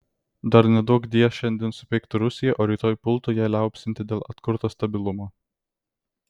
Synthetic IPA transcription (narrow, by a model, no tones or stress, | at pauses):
d̪ɐɾnʲɛd̪ɔkd̪ʲiɛʃʲɛnʲd̪ʲɪːnsʊpʲɛɪkt̪ʊɾʊsʲɪjɛʔoːɾʲiːt̪oːjpʊlˠt̪oːjæːlʲæˑʊpʲsʲɪnʲt̪ʲɪd̪ʲeːlˠɐ̰t̪kʊɾt̪oːst̪ɐbʲɪlˠʊmoː